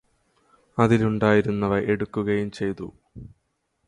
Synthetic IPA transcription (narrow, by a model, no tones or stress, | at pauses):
ɐðiluɳɖaːjiɾunːɐʋɐʔe̞ɽukːuɣɐjumt͡ɕe̞jt̪ṵ